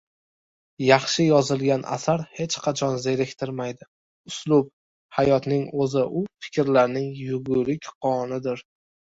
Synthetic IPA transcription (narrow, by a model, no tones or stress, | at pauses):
jɑχʃɪjɒzɪlɡʲanʔa̰saɾhe̞t͡ʃqʰɑt͡ʃʰɒnzeɾɪkʲt̪ʰɪɾmajd̪ɪ | ʊslˠʊb̚ | hajɒt̪nɪŋɵzɪʔʊfɪ̥kʲɾlaɾnɪŋjʊɡʊɾɪkʲqʰɒnɪd̪ɪɾ